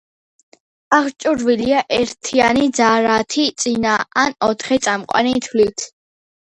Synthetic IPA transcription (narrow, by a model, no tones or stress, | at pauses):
aχt͡ʃʼuɾviliaʔɛɾt̪ʰianid̪zaɾat̪ʰit̪sʼinaanɔt̪ʰχɛt̪sʼamqʼwa̰nit̪ʰlit̪ʰ